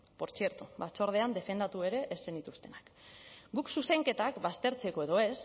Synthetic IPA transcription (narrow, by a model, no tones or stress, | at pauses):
po̞ɾt͡sie̞ɾt̪uβat͡so̞ɾð̞e̞and̪e̞fe̞nd̪at̪ue̞ɾe̞ʔːsenit̪ust̪e̞nakɡuksuse̞ŋke̞t̪akbast̪e̞ɾt͡se̞ko̞e̞ðo̞e̞s